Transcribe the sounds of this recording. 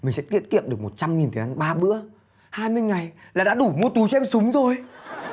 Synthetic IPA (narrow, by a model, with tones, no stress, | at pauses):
mï˨˩ŋsɛ̰˧˥t̪ḭ˧˨ənkḭ˧˨əmɗɨ˨˩əkmo˨˩t̚t͡ɕa˧mŋi˨˩nt̪ʰə˨˩a˧ŋɓaː˧ɓɨ̰˧˥ə | haː˧jmɨ˧əjŋa˨˩jlaː˨˩ɗa̰ː˧˥ɗu˧˩mu˧ət̪u˨˦jt͡ɕɔ˧ɛ˧msʊ˨˦ŋ͡mzo˨˩j